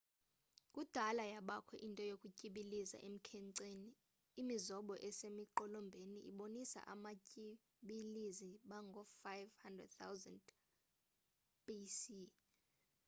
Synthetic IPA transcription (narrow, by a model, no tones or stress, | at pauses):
kʼud̥ʱalajaɓakʰɛʔintʼɔjokʼucʼiɓiliza̰ʔem̩kʰɛŋǀeːniː | mizɔɓɔʔɛsemiǃɔlɔmbʱeniʔḭɓonisa̰ʔamacʼi | ɓiliziɓaŋɡʱɔfajvhandrɛ̰d̚t̪ʰawzand | pisi